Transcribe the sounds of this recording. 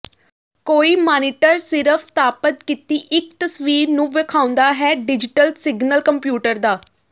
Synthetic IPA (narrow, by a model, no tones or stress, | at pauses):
koːiːmaːniːʈəɾsɪɾəpʰt̪aːpət̪kit̪iːʔɪkt̪əsʋiːɾnũːʋɪkʰaːʊ̃nd̪aːɦɛːɖɪd͡ʒɪʈəlsɪɡnəlkəmpjuːʈəɾd̪aː